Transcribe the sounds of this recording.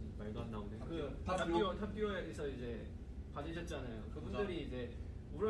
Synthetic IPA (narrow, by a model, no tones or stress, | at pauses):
maɭdonːaondekɯaiotʰap̚k͈iwʌeɡesʰʌid͡ʑe̞ | panɯɕʰʌt̚t͡ɕ͈anajokɯbundɯɾiːd͡ʑe̞uɾʌ